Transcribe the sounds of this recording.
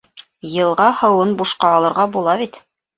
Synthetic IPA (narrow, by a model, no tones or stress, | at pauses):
jɤ̆lˠʁɑhɤ̆wɤnbuʃqɑːlˠɤ̆ɾʁɑbulˠɑβit̪